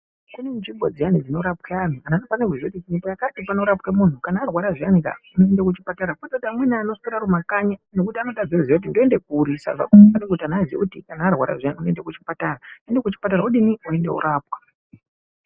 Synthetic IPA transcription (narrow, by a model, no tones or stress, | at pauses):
kunemut͡ʃiŋbʱo̰d͡zijanid͡zino̞ɾapweaniananopanekuʐekutikinitajakatipano̞ɾapwemun̤ukanaːrwaɾaʐianika̰unoendekut͡ʃipataɾaketatamwenianoskiɾaɾumakaɲano̞kutiano̞tad͡zizakut̬indoende̞kuɾisa̰ʐa̰kupanek̬utianazḭutikanaːrwa̰ɾa̰ʐijaniunoende̞kut͡ʃi̥pataraendekut͡ʃi̥pataɾauɗiniue̞ndeṵɾaːpwḁ